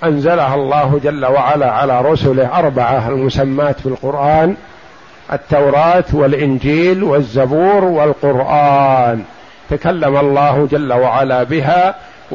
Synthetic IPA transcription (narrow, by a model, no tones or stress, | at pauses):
ʔanzalaɦalˤːɑːɦʊd͡ʒalːawaʕalaːʕalaːɾˤʊsʊlɪhʔɑɾˤbaʕaalmʊsamːaːt̪fɪlqʊɾʔaːn | ʔa̰t̪ːawɾˤɑːt̪wɪlʔɪnd͡ʒiːlwazːabuːɾwɪlqʊɾʔaːn | t̪akalːamalˤːɑːhd͡ʒalːawaʕalaːbɪɦaː